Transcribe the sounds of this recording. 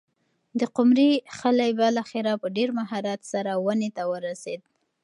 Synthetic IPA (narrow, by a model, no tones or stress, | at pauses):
d̪əqʊmɾixalajbəlaxɪɾapəɖeɾmaɦɑɾat̪saɾawənet̪awəɾased̪̚